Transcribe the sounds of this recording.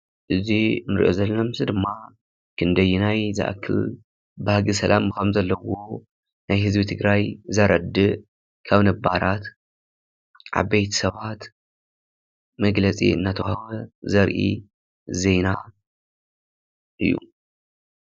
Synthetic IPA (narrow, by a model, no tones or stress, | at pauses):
ʔɨzinɨɾʔo̰zɐlːɐmsɨd̪ɨmːa | kʰɨnd̪ɐjːunajzɨ̰ʔa̰kʰːɨ̰l | bahaɡɨsɐlʔamkʰɐmzɐlːɐwo̞ | najhɨzbit̪ʰɨɡɾajzɐɾʔɐd̪ːɨʔ | kʰaβnɐbaɾat̪ | ʕa̰βbejt̪ʰi̥sɐβat̪ | mɐɡlɐt͡sʼḭɨ̰nːat̪ʰɐwhwɐzɐɾʔḭ | ze̞jna | ʔɨ̰jːṵ